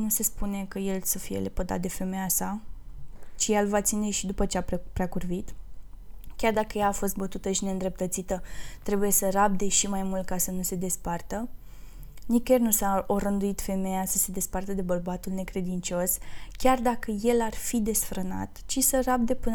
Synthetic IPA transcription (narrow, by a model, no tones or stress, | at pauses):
nuse̞spune̞kəje̞lsəfije̞̰lepəd̪a̰t̪̚d̪e̞fe̞mejasa | t͡ʃijelvat̪sine̞ʃid̪upət͡ʃeapɾeakurvit̪ | kʲard̪akəjaːfo̞st̪̚bət̪ut̪əʃine̞ɨnd̪ɾe̞p̚t̪ət̪sit̪ət̪ɾe̞buje̞sərab̚d̪e̞ʃimajmult̪̚kasənuse̞d̪e̞spart̪ə | nikernusaoɾənd̪uit̪fe̞mejasəse̞d̪e̞spart̪əd̪e̞bərbat̪ulne̞kɾe̞d̪int͡ʃo̞skʲard̪akəje̞larfid̪e̞sfɾəna̰t̪t͡ʃisərab̚d̪e̞pɨn